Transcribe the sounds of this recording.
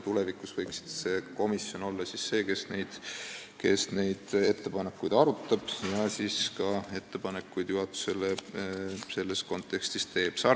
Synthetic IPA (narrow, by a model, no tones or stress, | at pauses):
t̪ulɛvikˑusvɤjksi̥d̪̥se̞ːko̞misjo̞no̞lːɑsisːe̞ːke̞sne̞jd̪̥ke̞sne̞jd̪̥e̞t̪ːe̞pɑne̞kːujd̪̥ɑɾut̪ːˑɑb̥jɑsiːskɑe̞t̪ːe̞pɑnekːˑujd̪̥juɦɑt̪ːˑu̥se̞le | se̞lːe̞sko̞nt̪ːˑe̞kst̪ist̪e̞ːb̥sɑ